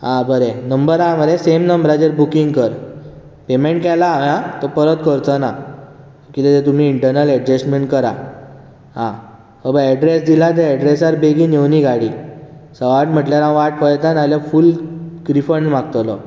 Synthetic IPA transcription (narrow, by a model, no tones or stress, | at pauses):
ɦãbəɾenəmbəɾaməɾesemnəmbɾad͡ʑeɾbukiŋɡkəɾ | pemẽɳʈ̚kɛlaːʋjãt̪ɔpəɾət̪kəɾt̪əna | kit̪et̪ẽt̪̬um̤iːɳʈəɾnəlɛɖd͡ʑesʈmeɳʈkəɾa | ɦã | əbəɛɖɾesd̪ilat̪̬eɛɖɾesaɾbeɡinewniɡaɽisəʋaʈm̤əʈljaɾãʋaʈfəɭjt̪analjafulkɾifənʋaɡ̚t̪lɔ